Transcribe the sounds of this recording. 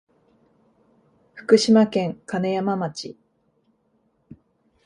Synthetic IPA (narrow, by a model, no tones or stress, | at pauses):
ɸɯ̟̥kɯ̟ɕimakẽ̞ŋkanejamamat͡ɕḭ